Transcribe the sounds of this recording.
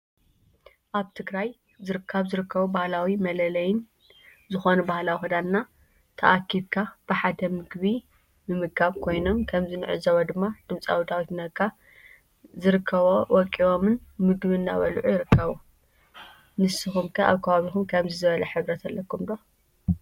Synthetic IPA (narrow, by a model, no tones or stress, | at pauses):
ʔaβt̪ʰɨɡɾaj | zɨɾɨkʰːɐβzɨɾɨkʰːɐβubahlawimɐlɐlɐjɪn | zɨxo̞nubahlawixud̪anːa | t̪ʰɐ̰ʔakʰːidkʰab̥ɨħad̪ɐmɨɡβi | mɨmɨkʰːaβkʰo̞jno̞mkʰɐmzɨnɨʕɨzɐwɐd̪ɨmːad̪̥ɨmt͡sʼa̰wd̪ʰawit̪nɐkʰːa | zɨɾɨkʰːɐβowɔkʼːiʔomɨnmɨɡβinːa̰βɐlʕujɪɾɨkʰːɐβu | nɨsːɨxumkʰɐʔa̰βkʰɐβaβixumkʰɐmzɨzɨβɐlɐħɨβɾɐt̪ʰɐlːɐkːumd̪o